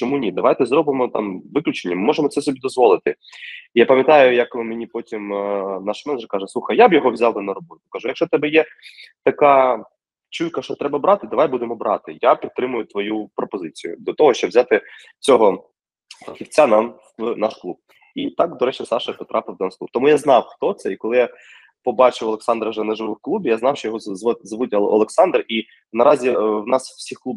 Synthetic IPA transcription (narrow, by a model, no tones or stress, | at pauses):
t͡ʃɔmunʲid̪ɐʋajt̪ɛzɾɔbɪmɔt̪ɑ̰mʋɪklʲʊt͡ʃenʲːɐmɪmɔʐemɔt̪sɛsɔbʲid̪ɔzʋɔlˠɪt̪ɪ | ijapɐmʲjɐt̪ɑjʊjɐkmenʲipɔtʲimnɑʃmɛnɛd͡ʒɛrkɑʒɛsˠuxɐjjabjɔɦɔʋzʲawd̪ɐnɐɾɔbɔt̪ʲʊ̥kɐʒujɐkʃt͡ʃɔt̪ɛbɛjɛ | t̪ɐkɑ | t͡ʃujkɐʃt͡ʃɔt̪ɾɛbɐbɾɑt̪ɪd̪ɐʋajbud̪emɔbɾɑ̰t̪ɪjapʲit̪ːɾɪmʊjʊt̪ʋɔjupɾɔpɔzɪt͡sʲijʊ̰d̪ɔt̪ɔɦɔʃt͡ʃɔbʋzʲat̪ɪ | t͡sʲɔɦɔ | pɐxʲiwt͡sʲːanɑm | nɑʃklˠub̚ | it̪ɑkd̪ɔɾɛt͡ʃisɑʃɐpɔt̪ɾʔɑpɪwd̪ɛnsklˠup̚t̪ɔmujaznɑwxt̪ɔt̪sɛikɔlˠɪja | pɔbɑt͡ʃɪwɐlˠeksɑnd̪ɾɐʒɛnɛʒɪʋɪwklˠubʲijaznɑwʃt͡ʃɔjɔɦɔɔzʋʊtʲɐlˠɔ̰lˠeksɑnd̪ri | nɐɾɑzʲiwnɑswsʲixklˠub